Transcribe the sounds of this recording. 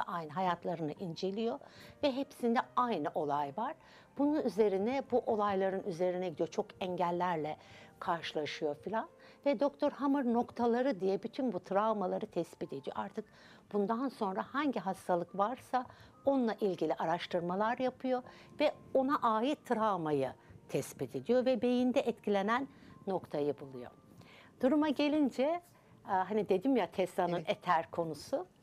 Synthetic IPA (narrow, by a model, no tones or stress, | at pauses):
a̰ʔajnɯɦajat̪ʰlˠaɾɯnɯʔind͡ʒe̞lʲijo̞vɛɦepsind̪ɛajnɯʔo̞lˠajvaɾ̥ | bununyze̞ɾinɛbuʔo̞lˠajlˠaɾɯnyze̞ɾinɛɟid̪ijo̞t͡ʃʰo̞kɛɲɟælʲːæɾlʲɛkʰaɾʃɯlˠaʃɯjo̞filʲan | vɛd̪o̞kt̪ʰo̞ɾɦamɯɾno̞kt̪ʰalˠaɾɯd̪ijɛbyt̪ʰynbut̪ʰɾavmalˠaɾɯt̪ʰɛspit̪ʰe̞d̪ijo̞̰ʔaɾt̪ʰɯk̚ | b̥und̪anso̞nɾahaɲɟiɦast̪ʰalˠɯkvaɾsa | o̞nlˠaʔilʲɟilʲiʔaɾaʃt̪ʰɯɾmalˠaɾjapʰɯjo̞ | vɛo̞naʔaːjit̪ʰːɾamajɯt̪ʰɛspit̪ʰe̞d̪ijo̞vɛbe̞jind̪ɛʔɛt̪cʰilʲe̞nænːo̞kt̪ʰajɯbulˠujo̞̰ | d̪̥uɾumaɟe̞lʲind͡ʒɛ | ɦanid̪e̞d̪imjat̪ʰɛst̪anɯnet̪ʰæɾkʰo̞nusu